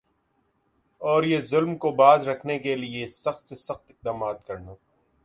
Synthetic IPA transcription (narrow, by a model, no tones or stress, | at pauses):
ɔːɾjezʊlmkobaːzɾɐkʰnekeliesɐxt̪sesɐxt̪ɪq̚d̪aːmaːd̪̚kɐɾnaː